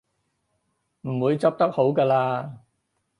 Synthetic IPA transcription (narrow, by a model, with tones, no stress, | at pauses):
m̩˨˩wuː˨˧jt͡sɐ˥p̚t̪ɐ˥k̚ho˨˥wkaː˧laː˧